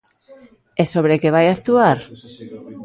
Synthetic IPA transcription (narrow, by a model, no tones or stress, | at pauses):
e̞so̞β̞ɾe̞ke̞β̞ajakt̪uaɾ